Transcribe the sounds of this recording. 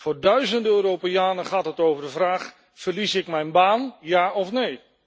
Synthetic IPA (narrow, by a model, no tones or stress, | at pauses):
foʊːrdœɥzəndəøːɾopejaːnəχaːtɦətowvərdəvraːχ | fərlisɪkmɛjnbaːnjaːɔfnej